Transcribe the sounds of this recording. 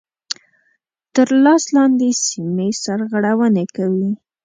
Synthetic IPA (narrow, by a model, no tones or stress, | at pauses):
t̪əɾlɑslɑnd̪esimesaɾɣaɽawənekawi